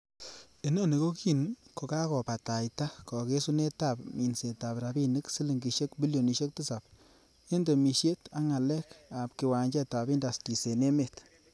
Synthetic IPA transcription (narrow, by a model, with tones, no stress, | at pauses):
e˦nɔ˦ni˨ko˦ki˦nko˨ka˦kɔ˨pa˨ta˨jta˦kɔ˨ke˦su˦ne˦ta˨pmi˨nse˨ta˨pɾa˨bi˦nɨ˦ksi˦li˨ŋɡi˨ʃe˦kbi˦ljo˨ni˨ʃe˦k̚ti˦sa˨p̚ | e˦ndo˨mi˨ʃje˦ta˦ŋa˨lɛ˦ka˨pki˨wa˨ɲd͡ʒɛ˦ta˨bi˦nda˨sti˨se˨ne˦me˨t